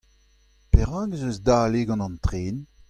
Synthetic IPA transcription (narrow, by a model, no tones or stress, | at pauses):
peʁɑ̃ːɡzøzdaːleɡɑ̃nɑ̃ntʁeːn